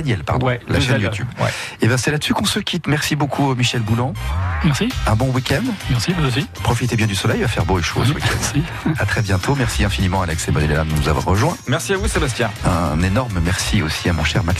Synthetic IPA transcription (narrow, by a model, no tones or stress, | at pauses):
njɛlpa̰ʁd̪ɔɛlaʃɛnjut̪ʰʲybɛ̰ebɛ̃sɛlad̪əsykɔ̃səkʲʰit̪mɛʁsibokʰumiʃɛlbulɑ̃mɛʁsiɛ̃bɔ̃wikʲɛnd̪mɛʁsivuzosipχɔfit̪ebjɛ̃d̪ysɔlɛjvafɛʁboeʃo̰səwikʲʰɛ̰ni | at̪χɛbjɛ̃t̪ʰomɛʁsiɛ̃finimɑ̃alɛksemɔd̪ɛlɛlad̪ənuza̰vwa̰ʁːəʒwɛ̃mɛʁsiavusebast̪jɛ̃ɛ̃nenɔʁmmɛʁsiosiamɔ̰̃ʃɛʁmak